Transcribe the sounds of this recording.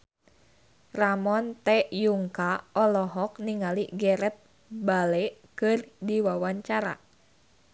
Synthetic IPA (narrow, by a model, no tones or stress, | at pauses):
ramɔnt̪ɛjuŋkaɔlɔɦɔk̚niŋaliɡɛɾɛt̪̚ | balɛkɨrdiwawaɲt͡ʃaɾa̰